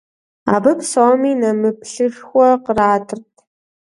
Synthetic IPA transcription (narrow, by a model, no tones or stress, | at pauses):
a̰ːbɐpsoːmiːnɐmɨpɬɨʂxʷɔqəraːdʰɨrtʰ